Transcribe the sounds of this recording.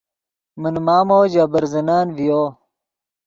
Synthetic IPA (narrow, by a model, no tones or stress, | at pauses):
mənmaːmoːd͡ʑɐbɐɾzɐnaːnvijoː